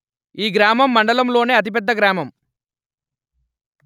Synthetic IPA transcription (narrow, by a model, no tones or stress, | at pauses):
iːɡɾaːmɐmːɐɳɖɐlɐmlo̞ːneːɐt̪̬ip̬ɛd̪ːɐɡɾaːmɐm